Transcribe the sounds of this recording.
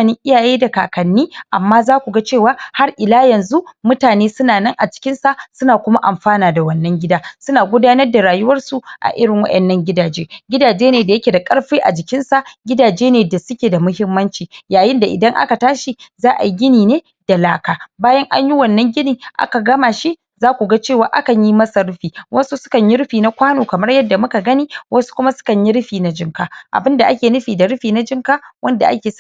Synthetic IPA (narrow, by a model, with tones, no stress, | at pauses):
nɪ˦ŋʔɪ˦jaː˨jeː˦da˨kaː˨kɐ˨nːiː˦ʔa˨mːaː˦zaː˦kʷu˨ɡa˦t͡ʃeː˦˨waː˦ha˦rʔɪ˨laː˦jɐ˨nzu˦mʊ˦taː˨neː˦sʊ˦naː˨nɐ˦ŋʔa˨t͡ʃɪ̥˦kʲɪ˦nsa˨sʊ˦naː˨kʷʊ˦ma˦ʔa̰˨mɸaː˦naː˨da˨wɐ˦nːɐ˦ŋɡʲɪ˦daː˦sʊ˦naː˨ɡʷʊ˦daː˦nɐ˦rda˨ɾaː˨jʊ˦wɐ˦rsu˨ʔa̰˨ʔɪ˦ɽɪ˨ŋwɐ̰˦ʔɛ˨nːɐ˦ŋɡʲɪ˦daː˨d͡ʒeː˦ɡʲɪ˦daː˨d͡ʒeː˦neː˨da˨jɐ˦kʲeː˨da˨kʼɐ˦ɽɸeː˦ʔa̰˨d͡ʒɪ˨kʲɪ˦nsa˨ɡʲɪ˦daː˨d͡ʒeː˦neː˨da˨sʊ˦kʲeː˨da˨mʊ˦hɪ˦mːɐ˦nt͡ʃiː˨jaː˨jɪ˦nda˨ʔɪ˨dɐ˦ŋʔa̰˦ka˨taː˦ʃi˨zaː˦ʔa̰˨jɡʲɪ˦niː˨neː˦ | d̥a˨laː˦kaː˨baː˦jɐ˦ŋʔa̰˦ɲji˦wɐ˨nːɐ˦ŋɡʲɪ˦niː˨ʔa̰˦ka˨ɡɐ˦maː˨ʃi˦ʔ | zaː˦kʷu˨ɡa˦t͡ʃeː˦˨waː˨ʔa˦kɐ˨ɲji˦mɐ˦sa˨ɽʊ˦ɸiː˨wɐ˦su˦sʊ̥˦kɐ˨ɲji˦ɽɪ˦ɸiː˨na˦kʷaː˦noː˨kɐ˨mɐ˦rjɐ˦dːa˨mʊ˦ka˨ɡɐ˦niː˦wɐ˦su̥˦kʷʊ˦ma˦sʊ̥˦kɐ˨ɲji˦ɽʊ˦ɸiː˨na˦d͡ʒɪ˦ŋkaː˨ʔa̰˨bɪ˦nda˨ʔa˦kʲeː˨nʊ˦ɸiː˨da˨ɽʊ˦ɸiː˨na˦d͡ʒɪ˦ŋkaː˦wɐ˦nda̰˨ʔa̰˦kʲeː˨